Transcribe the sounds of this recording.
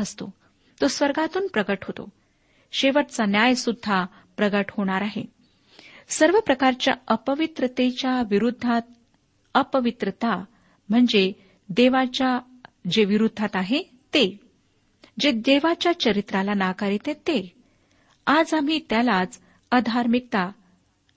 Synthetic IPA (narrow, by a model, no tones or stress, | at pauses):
əst̪o̰ | t̪osʋəɾɡat̪uːnpɾəɡəʈɦot̪o̰ | ɕeʋəʈt͡sanjajsud̪ʱːa | pɾəɡəʈhoɽ̃aɾaɦḛ | səɾʋəpɾəkaɾt͡ɕja̰əpəʋit̪ɾət̪et͡ɕjaʋiɾud̪ʱːat̪̚ | əpəʋit̪ɾət̪a | m̤əɳd͡ze | d̪eʋat͡ɕja | d͡ʑeʋiɾud̪ʱːat̪aɦe | t̪e | d͡ʑed̪eʋat͡ɕjat͡ɕəɾit̪ɾalanakaɾet̪ẽt̪e | ad͡zam̤it̪jalat͡s | əd̪ʱaɾmik̚t̪a